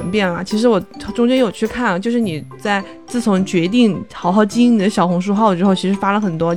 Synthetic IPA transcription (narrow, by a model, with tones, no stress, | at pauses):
npjɛ˥˩nlə̰˩t͡ɕʰi˧˥ʂ̬ɻ̩˧˥wɔ˨˩ʈ͡ʂʊ˥ŋt͡ɕjɛ˥njo˨˩ʊt͡ɕʰy˥˧kʰa˥˩n˩t͡ɕjo˥˧ʊʂɻ̩˥˩ni˨˩t͡sa˥˧ɪ | t͡sɹ̩˥˩t͡sʰʊ˧˥ŋt͡ɕɥɛ˧˥t̪̬i˥˩ŋxɑ˨˧˥ʊxɑ˥˩ʊt͡ɕi˥ni˨˩d̪ə˦ɕjɑ˨˩ʊxʊ˧˥ŋʂ̬u˥˧xɑ˥˩ʊd̪ə˩ʈ͡ʂɻ̩˥xo˥˩ʊt͡ɕʰi˧˥ʂɻ̩˧˥fa˥lə˨˩xə˨˩nt̪wɔ˥